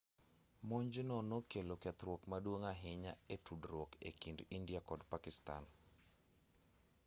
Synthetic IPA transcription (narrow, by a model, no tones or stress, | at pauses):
moɲd͡ʒnɔnokelokɛt̪ɾwɔkmadwoŋaɦɪɲaetudɾɔkḛkindindjakɔdpakɪsta̰n